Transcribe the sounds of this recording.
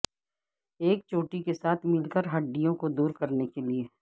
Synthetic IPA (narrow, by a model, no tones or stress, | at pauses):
eːk̚t͡ʃoːʈikesaːt̪ʰmɪlkəɾɦɐɖːijõkod̪uːɾkɐɾnekelieː